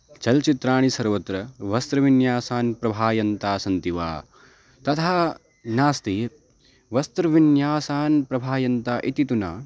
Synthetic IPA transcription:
t͡ʃɐlt͡ʃit̪ɾaːɳ̃isɐɾʋɐt̪ɾɐʋɐst̪ɾɐʋinjaːsaːnpɾɐbʱaːjɐnt̪aːsɐnt̪iʋa̰ː | t̪ɐt̪ʰaː | naːst̪i | ʋɐst̪ɾɐʋinjaːsaːnpɾɐbʱaːjɐnt̪aːʔit̪it̪una̰ː

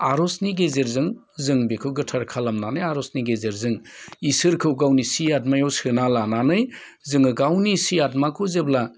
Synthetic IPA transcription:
aɾɔsniɡezeɾzɯŋ | zɯŋbikʰɯwɡɯtʰaɾkʰalamnanɯjaɾɔsniɡezeɾzɯŋisɯɾkʰɯwɡawnisiadmajawsɯnalananɯj | zɯŋɯɡawnisiat̚makʰɯzebla

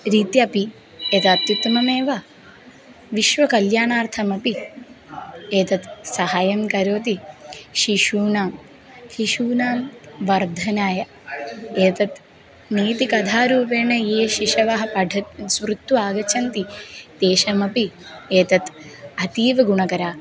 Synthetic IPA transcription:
ɾiːt̪jɐpi | eːt̪at̪ːit̪ːmɐmeːʋaː | ʋiʃʋɐkɐljaːɳaːɾt̪ʰɐmɐpi | eːt̪ɐt̪sɐɦaːjɐmkɐɾoːt̪iʃiʃuːnaːm | hiʃuːnaːmʋɐɾd̪ʱɐnaːjɐ | eːt̪ɐt̪ | niːt̪ikɐd̪ʱaːɾuːpeːɳɐjeːʃiʃɐʋaɦɐpɐɖʱɐt̪sʋɾut̪ːuaːɡɐt͡ʃʰɐnt̪it̪eːʃɐmɐpieːt̪ɐt̪ɐt̪iːʋɐɡuɳɐkɐɾaː

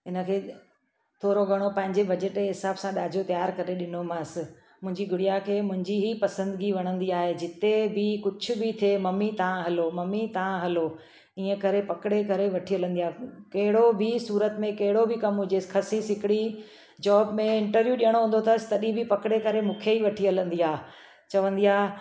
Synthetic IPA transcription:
ɪnə̆kʰeː | t̪ʰoːɾoɡʱɐɽ̃opɐ̃ɦɪ̃ɲd͡ʑebɐd͡ʑəʈeɦɪsaːbsãɗaːd͡ʑʱot̪jaːɾkɐɾeɗɪnomãsɪ̆ | mʊ̃ɦɪ̃ɲd͡ʑiɡʱʊɽijakʰeːmʊ̃ɦɪ̃ɲd͡ʑiɦipɐsə̃nd̪ɪɡiʋɐɽ̃ə̃nd̪iaːɦed͡ʑɪt̪ebɪkʊd͡ʑʱʰʊ̆bɪt̪ʰemɐmit̪ɐʋãɦɐlomɐmit̪ɐʋãɦɐlo | iːə̃kɐɾepɐkɪɽekɐɾeʋɐʈʰiɦɐlə̃nd̪ijaːkɐɦɪɽobisuːɾət̪mẽkɐɦɪɽobɪkɐmɦʊd͡ʑexʰɐsisɪkɪɽi | d͡ʑɔːbmẽɪ̃ɳʈəɾʋjuɗijəɽ̃oɦũːn̆d̪ot̪ʰɐsɪ̥t̪ɐɗĩbɪpɐkɪɽekɐɾemũːkʰeiʋɐʈʰiɐlə̃nd̪iaː | t͡ɕɐʋə̃nd̪iaːɦ

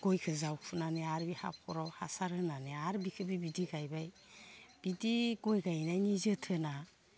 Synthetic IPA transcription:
ɡ̥ɔjkʰɯzawkʰunaneaɾbiha̰p̚kʰɔɾɔhasaɾɯnaneaɾbikʰɯbibidiɡajbaj | b̥idiɡɔjɡajnajnizɯtʰɯna

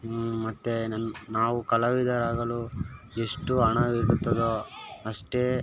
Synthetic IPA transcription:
mɐt̪ːenaːʋukɐlɐʋid̪ɐɾaːɡɐlu | eʂʈuɐɳɐʋiɾut̪ːɐd̪oɐʂʈeː

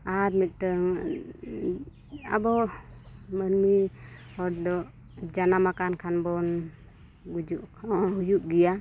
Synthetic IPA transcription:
at̚mit̪̚təŋ | a̰bɔ | mənmiɔɾd̪ɔ | d͡ʒanamakankʰanbɔn | ɡud͡ʒuʔʰhujuʔɡija

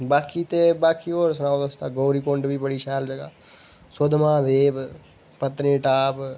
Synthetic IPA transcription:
baːkiːt̪eːbaːkiːoːɾsnãːod̪əst̪aːɡoːɾiːkoɳɖʋiːbəɽiːʃɛːld͡ʒəɡaː | sʊd̪mãːd̪eːb | pət̪nẽːʈaːp

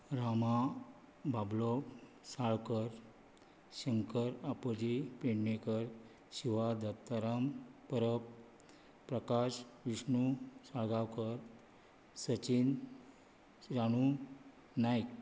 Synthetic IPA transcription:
ɾama | bablɔ | saɭkəɾ | ɕəŋkəɾapəd͡ʑipeɽnekəɾ | ɕiʋad̪ət̪ːaɾampəɾəpː | ɾəkaɕʋiʂɳusaɭɡawkəɾ | sət͡ɕin | ɾaɽ̃u | najk

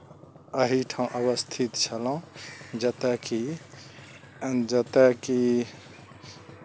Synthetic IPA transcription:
əɦiʈʰaũʔəβəst̪ʰit̪t͡ʃʰəlaũd͡ʒət̪əki | d͡ʒət̪əki

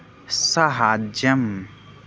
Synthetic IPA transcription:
sɐɦaːd͡ʒɐm

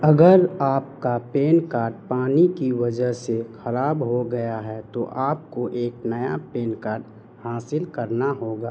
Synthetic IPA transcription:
ɐɡəɾaːp̚kapeːnkaːɾɖpaːnikiʋɐd͡ʒəɦsexɐɾaːbɦoɡɐjaɦɛt̪oʔaːp̚koʔeːknɐjapeːnkaːɾɖ | haːsɪlkɐɾnaɦoːɡaː

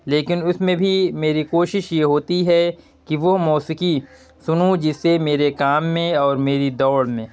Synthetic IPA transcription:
leːkɪnʊsmẽbʱimeːɾikoːʃɪʃjeɦoːt̪iɦɛ | kiʋoɦmɔːsɪki | sʊnũd͡ʒɪsːemeːɾekaːmːẽɔːɾmeːɾid̪ɔːɽmẽː

